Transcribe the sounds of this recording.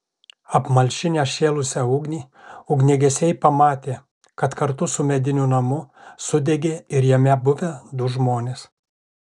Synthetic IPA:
ɐpmɐlʲʃʲɪnʲeʃʲeːlˠʊsʲɛʊːɡnʲiː | ʊɡnʲɛɡʲɛsʲɛɪpɐmɑːt̪ʲeː | kɐt̪kɐɾt̪ʊsʊmʲɛd̪ʲɪnʲunɐmʊsʊd̪ʲɛɡʲeːɪɾjɛmʲɛbʊʋʲɛd̪ʊʒmoːnʲeːs

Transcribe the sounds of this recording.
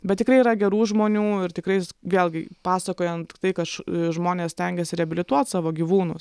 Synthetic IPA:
bʲɛt̪tʲɪkrɐɪiːɾɐɡʲɛɾuːʒmoːnʲuːɪrt̪ʲɪkɾɐɪsʋʲeːlʲˠɡʲɪpɑːsɐkoːjɛnt̪t̪ɐɪkɐʃʒmoːnʲeːsʲt̪ʲɛŋʲɡʲɛsʲɪɾʲɛɐbʲɪlʲɪt̪uɔt̪sɑːʋoːɡʲiʋuːnʊs

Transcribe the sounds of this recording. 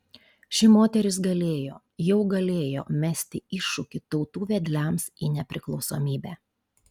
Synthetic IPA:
ʃʲɪmoːt̪ʲɛɾʲɪsɡɐlʲeːjo̰ː | jɛʊɡɐlʲeːjo̰ːmʲæsʲt̪ʲɪɪʃːʊkʲɪt̪ɒʊt̪uːʋʲɛd̪ʲlʲæmsiːnʲɛpʲɾʲɪklˠɒʊsoːmʲiːbʲæː

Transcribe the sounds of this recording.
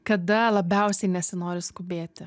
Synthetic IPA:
kɐd̪ɐlˠɐbʲɛʊsʲɛɪnʲɛsʲɪnoːɾʲɪskʊbʲeːt̪ʲɪ

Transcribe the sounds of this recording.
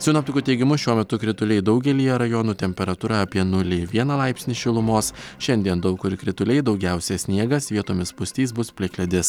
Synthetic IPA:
sʲʊːnɐpt̪ʊkʲuːt̪ʲɛɪɡʲɪmʊʃʲuɔmʲɛt̪ʊkɾʲɪt̪ʊlʲɛɪd̪ɒʊɡʲɛlʲiːjɛɾɐjoːnuːt̪ʲɛmʲpʲɛɾɐt̪uːɾɑɐpʲiɛnʊlʲɪʋʲiɛnɐlˠɑɪpʲsʲnʲiːʃʲɪlˠʊmoːsʃʲɛnʲd̪ʲiɛnd̪ɒʊkʊɾkɾʲɪt̪ʊlʲɛɪd̪ɒʊɡʲæˑʊsʲɛsʲnʲiɛɡɐsʋʲiɛt̪oːmʲɪspʊsʲt̪ʲiːs̬bʊspʲlʲɪklʲɛd̪ʲɪs

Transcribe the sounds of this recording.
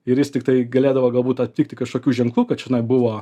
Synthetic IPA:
ɪɾjɪst̪ʲɪkt̪ɐɪɡɐlʲeːd̪ɐʋoːɡɐlˠbuːt̪ɐt̪̚ʲtʲiːk̚ʲt̪ʲɪkɐʃkoːkʲuːʒʲɛŋklˠuːkɐt̪ʃʲɪnɐɪbʊʋoː

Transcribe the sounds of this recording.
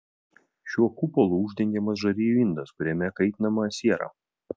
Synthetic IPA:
ʃʲuɔkʊpɔlˠuʊʒʲd̪ʲɛŋʲɡʲɛmɐs̬ʒɐɾʲiːjuɪnd̪ɐskʊɾʲɛmʲɛkɐɪt̪ʲnɐmɐsʲiɛɾɐ̰

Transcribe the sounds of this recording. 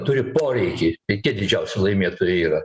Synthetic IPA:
t̪ʊɾʲɪpoːɾʲɛɪkʲit̪ʲɐɪt̪ʲiɛd̪ʲɪd͡ʒʲɛʊsʲʊlˠɐɪmʲeːt̪oːjʊiːɾɐ

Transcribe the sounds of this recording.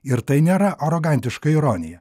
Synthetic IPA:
ɪɾt̪ɐɪnʲeːɾɐʔɐɾoɡɐnʲt̪ʲɪʃkɐɪɾoːnʲɪjɛ

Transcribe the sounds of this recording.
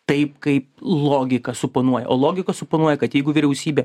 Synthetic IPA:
t̪ɐɪpkɐɪplˠoːɡʲɪkɐsʊpoːnuɔjɛ̰ʔoːlˠoːɡʲɪkɐsʊpoːnuɔjɛkɐt̪jɛɪɡʊʋʲɪɾʲɛʊsʲiːbʲeː

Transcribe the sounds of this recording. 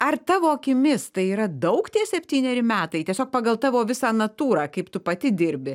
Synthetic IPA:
ɐrt̪ɑːʋoːɐkʲɪmʲɪst̪ɐɪiːɾɐd̪ɐʊkt̪ʲiɛsʲɛpʲt̪ʲiːnʲɛɾʲɪmʲæːt̪ɐɪt̪ʲiɛsʲoːk̚pɑːɡɐlˠt̪ɑːʋoːʋʲɪsɑːnɐt̪uːɾɑːkɐɪpt̪ʊpɐt̪ʲɪd̪ʲɪɾʲbʲɪ

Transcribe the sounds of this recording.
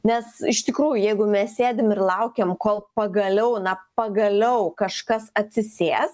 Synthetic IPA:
nʲɛsɪʃt̪ʲɪkɾuːjʊjɛɪɡʊmʲɛssʲeːd̪ʲɪmɪrlˠɐʊkʲemkoːlˠpɐɡɐlʲɛʊnɐpɐɡɐlʲɛʊkɐʃkɐsɐt̪ʲsʲɪsʲeːs

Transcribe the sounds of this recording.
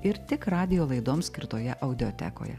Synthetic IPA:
ɪɾt̪ʲɪkɾɑːd̪ʲɪjoːlˠɐɪd̪oːmsʲkʲɪɾt̪oːjɛʔɐʊd̪ʲɪoːt̪ʲɛ̰ko̰ːjɛ̰

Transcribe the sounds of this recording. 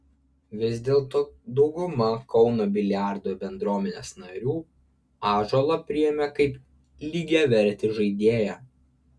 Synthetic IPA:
ʋʲɪzʲd̪ʲeːlˠt̪oːd̪ɒʊɡʊmɐkɒʊnoːbʲɪlʲjæˑɾd̪oːbʲɛnd̪ɾuɔmʲɛnʲḛːsnɐɾʲuː | ɑːʒoːlˠɐpʲɾʲɪjɛmʲɛkɐɪp | lʲiːɡʲɛʋʲɛɾʲt̪ʲɪʒɐɪd̪ʲeːjɛ

